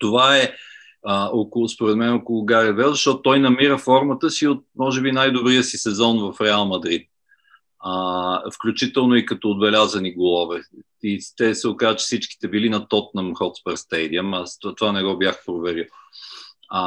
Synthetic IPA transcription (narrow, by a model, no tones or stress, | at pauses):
t̪ovaɛ | əokospoɾɛt̪mɛnokolˠʊɡaɾiəd̪bɛzɐʃt̪ɔt̪ʊt̪ɔjnɐmiɾəfɔɾmət̪əsiot̪̚mɔʒɛbinajd̪obɾijəsisɛzɔnvɐfɾɛalˠmɐd̪ɾit̪̚ | əfklʲut͡ʃit̪ɛlˠnoikɐt̪ɔːd̪̚bɛlʲazɐniɡolˠɔvɛ | it̪ɛsɛokazət͡ʃɛ̥fsit͡ʃki̥t̪ɛbilinɐt̪ɔt̪̚nəmxɔt̪spɛɾst̪ɛjd̪iəməst̪at̪ovanɛɡɔbjaxpɾovɛɾilˠ